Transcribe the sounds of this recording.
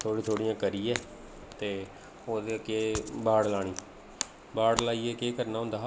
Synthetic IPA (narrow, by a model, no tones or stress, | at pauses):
t̪ʰoːɽiːt̪ʰoːɽijãːkəɾiːɛː | t̪eː | oːd̪eːkeːbaːɽlaːɽ̃iː | baːɽlaːiːɛːkeːkəɾnaːɦʊ̃nd̪aː